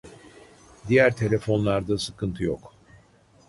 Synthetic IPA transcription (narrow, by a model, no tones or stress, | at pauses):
d̪ijæɾt̪ʰe̞lʲefo̞nlˠaɾd̪asɯkʰɯnt̪ʰɯjok